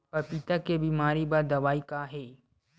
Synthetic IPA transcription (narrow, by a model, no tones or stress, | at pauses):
pɐɾpɪt̪akebiːmaːɾibaɾd̪ɐʋaːikaɦɛː